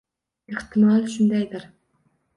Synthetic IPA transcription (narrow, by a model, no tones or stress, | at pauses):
eht̪ʰɨmɑlʃund̪ɛjd̪ɪɾ